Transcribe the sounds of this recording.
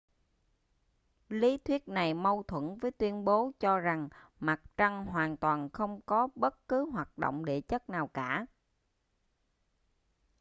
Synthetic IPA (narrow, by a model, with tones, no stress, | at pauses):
li˨˦t̪ʰwi˦˥ət̚na˨˩jmə˧wt̪ʰwə̰˧˥nvəː˨˦jt̪wi˧ənɓo˨˦t͡ɕɔ˧za˨˩ŋma˨˩t̚t͡ɕa˧ŋɦwaː˨˩nt̪waː˨˩nxə˧wŋ͡mkɔ˨˦ɓə˦˥t̚kɨ˨˦ɦwaː˨˩t̚ɗo̰˧˨wŋ͡mɗe˧˩t͡ɕə˦˥t̚naː˨˩wkaː˧˩